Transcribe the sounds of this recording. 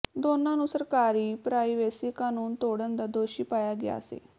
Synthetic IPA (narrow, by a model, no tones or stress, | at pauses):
d̪oːnãːnũːsəɾkaːɾiːpɾaːiːʋɛːsiːkaːnuːnt̪oːɽənd̪aːd̪oːʃiːpaːjaːɡɪja̰ːsḛː